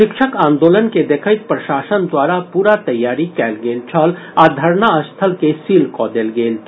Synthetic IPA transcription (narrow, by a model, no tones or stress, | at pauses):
ʃɪkʃʰəkãːnd̪oːlənked̪eːkʰəɪt̪̚pɾɐʃaːʃənd̪waːɾapuːɾat̪ɐjːaːɾikɛːlɡeːlt͡ʃʰəl | ad̪ʱɐɾnaəst̪ʰəlkesiːlkɔːd̪eːlɡeːl